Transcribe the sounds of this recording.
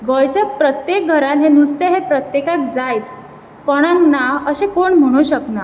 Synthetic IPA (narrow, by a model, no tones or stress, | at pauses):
ɡɔjt͡ɕapɾət̪jek̚ɡʱəɾãnɦenust̪eɦepɾət̪jekak̚d͡zajt͡s | kɔɽ̃ãŋknaəɕekoɳm̤əɽ̃uɕəkna